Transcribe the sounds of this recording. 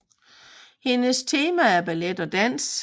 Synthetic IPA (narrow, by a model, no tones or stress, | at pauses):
he̝nəst͡sʰe̝ːmææɐb̥æled̥ɒ̽d̥æn̰s